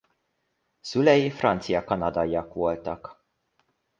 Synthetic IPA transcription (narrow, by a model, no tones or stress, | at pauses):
z̥ulɛjfɾʔɐnt͡sijɐkɐnɐd̪ɐjɐkwɔːlt̪ɐk